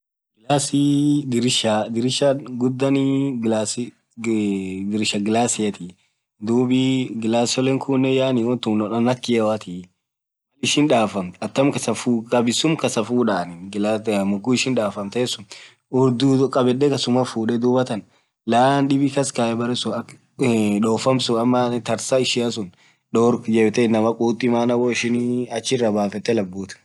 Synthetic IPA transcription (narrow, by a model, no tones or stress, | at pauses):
ɡɪlasɪd̪ɪɾʃad̪ɪɾɪʃɐɡʊd̪ːɐnɪɡlaːs | d̪ɪɾʃɐɡɪlaːsɪjɐt̪ɪ | d̪uːbɪɡɪlaːsɔlɛŋkʰunːɛjaːnɪwɔnt̪ʊmnɔᶑɐnɐkːɪjɛwɐt̪ʰɪ | ɐlɪʃɪnᶑaːfɐmt̪ɐt̪ːɐmkɐsɐfukʼɐbɪsːʊmkɐsɐfuːᶑaːnɪɡlamʊɡʊɪʃɪnᶑaːfɐmt̪ɛeːsʊn | ʊɾd̪ʊkʼɐbɛɗːɛkɐsʊmɐfuːᶑɛd̪uːbɐt̪ɐn | laːnɗɪbɪkɐskaɛbɐɾɛsʊɐk | ᶑoːfɐmsʊɐmːɐt̪ɐɾsɐɪʃɪɐs̬ʊn | ɗoɾd͡ʒɛbt̪ɛɪnːɐmɐkʼuːt̪ʼːɪmaːnɐwoɪʃɪnɐt͡ʃːɪrːɐbaːfɛt̪ːɛlɐbːuːt̪